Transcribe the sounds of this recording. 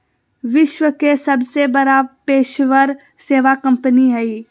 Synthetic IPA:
ʋɪʃʋəkesɐbsebɐɾapeːʃʋəɾ | seːʋakɐ̃mpəniɦɛi

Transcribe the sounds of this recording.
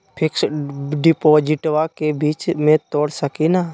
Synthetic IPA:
pʰɪksɖɪpoːd͡ʒɪʈʋakebiːt͡ʃmẽt̪oːɽsəkinaː

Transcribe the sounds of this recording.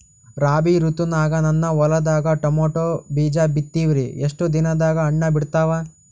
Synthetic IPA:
ɾaːbiɾut̪unaːɡɐnɐnːɐʋɔlɐd̪aːɡɐʈɐmoːʈoːbiːd͡ʒabit̪ːiʋiɾḭeʂʈud̪inɐd̪aːɡɐːɳːɐbiɽt̪aːʋa

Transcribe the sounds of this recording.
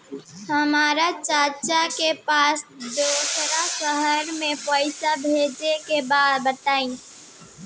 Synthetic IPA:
həmaːɾat͡ʃaːt͡ʃakepaːsd̪oːsɾasəɦəɾmẽpɔːɪsabʱeːd͡ʒekebaːd̪bət̪aːĩː

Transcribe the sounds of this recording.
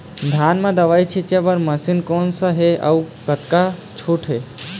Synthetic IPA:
d̪ʱanmẽd̪əʋajt͡ʃʰit͡ʃebəɾməsinkoːnsəɦeə̰ukət̪kat͡ʃʰoʈʰɦe

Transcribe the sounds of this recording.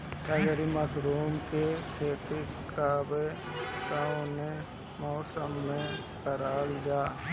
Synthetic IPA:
ʈʰaːd͡ʒəɾimɐsɾuːmkekʰeːt̪ikabe | t̪aʊne | mɔːsəmːẽ | kəɾaːld͡ʒaː

